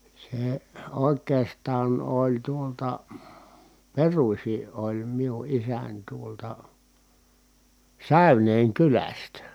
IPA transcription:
se oˑekˑeːstɑːn olʲ tuoltɑ perusʲi ʔolʲ miu ʔisænʲ tuoltɑ sæˑyneːŋ kylæstæ

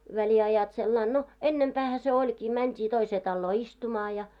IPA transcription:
ʋæliɑjɑt selːɑin no enːempæːhæ se olʲkiː mæntʲiː toiseː tɑlːoː istumɑː jɑ

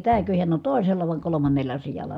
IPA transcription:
tæːkø hiæn on toˑi̯selːɑ ʋɑˑi̯ kolomɑnːelːɑ sijɑlˑɑ

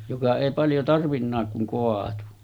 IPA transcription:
jokɑ eˑi pɑljo tɑrʋinːɑːk kuŋ koɑtu

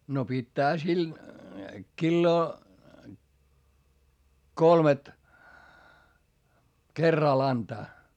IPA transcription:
no pitːæːhæ sil kilːoː kolmet kerːɑl ɑntɑː

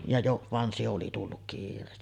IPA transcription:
jɑ joʔ ʋɑn se oli tulːuk kiːrˑeːsti

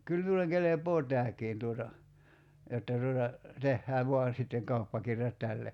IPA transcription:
kyl miulˑeŋ kelepoː tæːkiːn tuotɑ jotːɑ tuotɑ tehːæː ʋo̝ɑn̞ sitːeŋ kɑupːɑkirjɑt tælːe

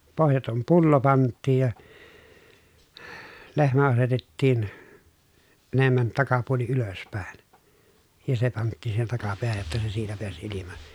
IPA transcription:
pohjɑtom pulːo pɑntˑiːj jɑ lehmæ ɑsetetːiːn enemːæn tɑkɑpuoli yløspæˑi̯n jɑ se pɑntːiˑn siːhen tɑkɑpeæhæj jotːɑ se siːtæ peæs ilimɑ

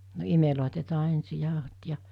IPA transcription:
no imeloˑitetɑː ensi jɑˑohot jɑ

